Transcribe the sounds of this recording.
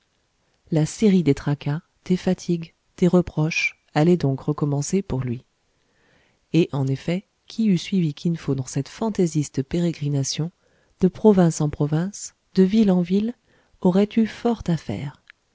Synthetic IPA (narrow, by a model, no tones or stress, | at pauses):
laseʁid̪et̪χaka | t̪efat̪ʰiɡ | t̪eʁəpχɔʃ | alɛd̪ɔ̃kʁəkɔmɑ̃sepuʁlɥi | eʔɑ̃nefɛ | kʲʰiysɥivikʲʰinfod̪ɑ̃sɛt̪fɑ̃t̪ezist̪əpeʁeɡʁinasjɔ̃ | d̪̥əpχɔvɛ̃sɑ̃pχɔvɛ̃s | d̪̥əvilɑ̃vil | ɔʁɛt̪yfɔʁt̪afɛ̰ːʁ